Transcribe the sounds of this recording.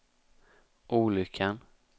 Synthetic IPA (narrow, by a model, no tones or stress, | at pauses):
ʔuːlʏkʰːan